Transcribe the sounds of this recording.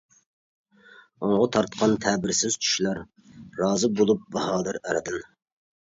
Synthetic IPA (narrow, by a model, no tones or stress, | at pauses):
oŋʁɑt̪ʰɑɾt̪qʰɑnt̪ʰɛbɪɾsɪz̥t͡ʃʰy̥ʃlˠɑɾː | ɑːzɨbolˠup̚bɑhɑːlˠɨɾɛɾɨd̪ɨn